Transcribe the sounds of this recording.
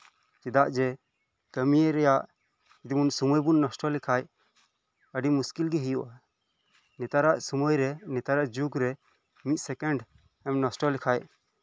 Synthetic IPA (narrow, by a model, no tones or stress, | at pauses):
t͡ʃid̪aʔd͡ʒɛ | kəmijeɾɛjaʔ | d͡ʒid̪imunsumɔjbunːɔsʈɔlikʰaj | əɖimuskilɡɛɦijuʔa | nɛt̪aɾaʔsumɔjɾɛnɛt̪aɾaʔd͡ʒuɡɾɛ | mit̪̚ˀsɛkɛɳɖ | ɛmnɔsʈɔlikʰajʔ